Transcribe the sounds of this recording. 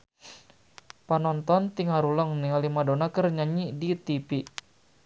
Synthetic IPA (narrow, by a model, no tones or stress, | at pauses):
panɔnt̪ɔnt̪iŋaɾuləŋniŋalimadonakərɲaɲidit̪ipiʔ